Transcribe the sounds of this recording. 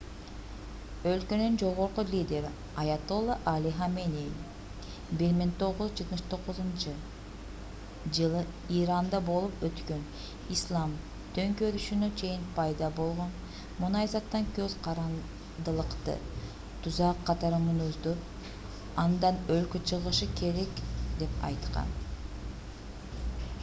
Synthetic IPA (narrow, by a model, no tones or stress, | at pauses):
ølkønynd͡ʒo̞ʁoɾqulʲid̪ʲe̞ɾ | ɑjɑt̪olˠaʔalʲiɦamenʲej | biɾmiŋt̪o̞ʁuzd͡ʒɯt̪mɯʃt̪ʰo̞ʁuzunt͡ʃɯ | d͡ʒɯlˠɯ | iɾɑnd̪ɑbo̞lˠupøt̪køn | islˠɑm | t̪ʰø̞ŋkøɾyʃynøt͡ʃʰe̞jinpʰɑjd̪ɑbo̞lˠʁo̞n | munɑjzɑt̪ːɑŋkøzqɑɾɑn | d̪ɯlˠɯqt̪ɯ̰ | t̪ʰuzɑqʰːɑt̪ɑɾɯmɯnuzd̪up | ɑnd̪ɑnølkøt͡ʃʰɯʁɯʃɯkʰe̞ɾe̞kd̪e̞pɑ̰jt̪qɑ̰n